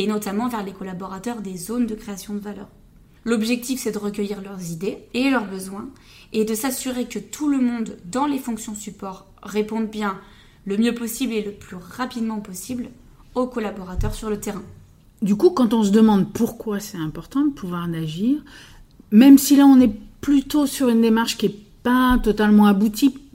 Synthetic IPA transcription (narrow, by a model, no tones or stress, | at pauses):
enɔt̪amɑ̃vɛʁlekɔlabɔʁat̪œʁd̪ezond̪əkχeasjɔ̃d̪əvalœːʁ | lɔbʒɛk̚t̪ifsɛd̪əʁəkʲəjiʁlœʁzid̪eelœʁbəzwɛ̃ | ed̪əsasyʁekət̪ʰuləmɔ̃d̪ːɑ̃lefɔ̃ksjɔ̃sypɔʁː | epɔ̃d̪bjɛ̃ | ləmjøpɔsibleləplyʁapid̪mɑ̃pɔsibl | okɔlabɔʁat̪œʁsyʁlət̪eʁɛ̃ | d̪ykukɑ̃t̪ɔ̃s̬əd̪əmɑ̃d̪puʁkwasɛt̪ɛ̃pɔʁt̪ɑ̃d̪əpʰuvwaʁnaʒiːʁ | mɛmsilaɔ̃nɛplyt̪osyʁynd̪emaʁʃkʲiɛpat̪ɔt̪almɑ̃abut̪i